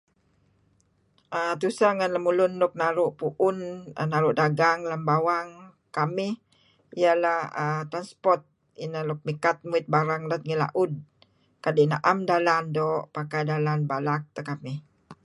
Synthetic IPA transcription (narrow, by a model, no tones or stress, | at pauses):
ʔət̪usaŋanlamulʊnːʊk̚naɾʊʔpuʔʊnə̰naɾʊʔdaɡaŋlambawaŋ | kamɪh | ijalahət̪ɾanspɔrt̪̚ | inalɔk̚mikat̪̚muit̪̚baɾaŋdat̪̚ŋila̰ʔud̚ | kadinaʔamdalandɔʔpakajdalanbalak̚t̪əkamɪh